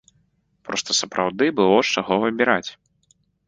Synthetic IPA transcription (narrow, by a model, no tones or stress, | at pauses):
pɾɔst̪ɐsɐpɾawd̪ɨbɨlˠɔʂt͡ʂaɣɔvɐbʲiɾat͡sʲ